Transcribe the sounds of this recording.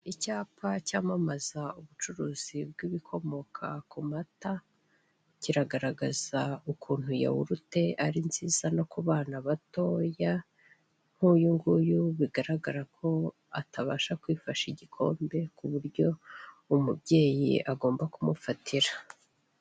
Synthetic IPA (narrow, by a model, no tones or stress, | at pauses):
icaːpʰacaːmamazauβut͡ʃuɾuːz̥ib̚ɡiβikʰo̞mo̞kʰa̰kumata | ciɾaɡaɾaɡaz̥aukʰuːn̥huja̰wuɾute̞ʔaɾinziːz̥ano̞kuβaːnaβato̞ːja | ŋ̥hujuŋɡujuβiɡaɾaɡaɾakʰo̞ | a̰taβaːʃakwiːfaʃiɟikʰo̞̰ːmbe̞kuβuɾɟo̞ | umubjɟe̞ːjḭʔaɡo̞ːmbakumufatʰiɾa